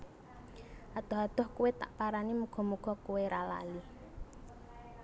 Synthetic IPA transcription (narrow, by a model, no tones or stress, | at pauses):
ʔad̪̥ɔɦad̪̥ɔ̤hkuwet̪a̰ʔpaɾanimuɡ̥ɔ̤muɡ̥ɔ̤kuweɾala̰li